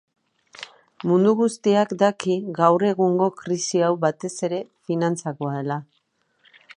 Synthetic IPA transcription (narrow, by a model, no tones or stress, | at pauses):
mund̪uɣust̪iakd̪akiɣawre̞ɣuŋɡo̞kɾisiawβat̪e̞se̞ɾe̞finant͡sako̞aðe̞la